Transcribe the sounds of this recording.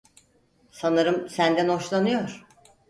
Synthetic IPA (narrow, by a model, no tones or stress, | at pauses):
sanɯɾɯmsænd̪æno̞ʃlˠanɯjo̞ɾ̥